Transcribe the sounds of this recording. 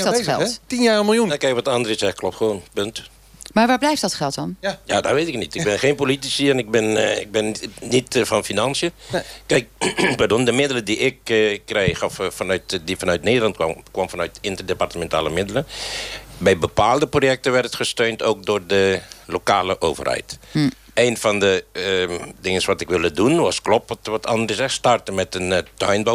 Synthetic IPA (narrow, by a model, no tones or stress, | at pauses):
lˠtinjaːəmɪlˠjunkɛkʋɔtandərəsɛxəklɔptxʋoːnpønt | maʋaːblɛjftdɔtχɛlˠtɔnja̰dɔ̰tʋeːtɪknitɪɡ̚bɪnxeːnpolitisiɛnɪk̚bɪnɪ̰ɡ̚bɪnːitfɔnfinansjəkɛjk̚pardondəmɪdələdiʔɪkːreːxɔffanœtdifɔnœɥtneːdərlɑntkʋɔmfɔnœɥtɪntərdepartəmɛnta̰ːlˠəmɪdələ | bɛjbəpaːlˠdəprojɛk̚tənʋɛrtətxəstøːntoːk̚doːrdəlokaːləʔo̰ːvə̰rhɛ̰jt | eːnfɔndə | dɪŋənsʋɔtɪkʋɪlˠədunʋɑsklɔpɔtʋɔtʰɑndərəsɛstɑrtəmɛtəntɔjnbo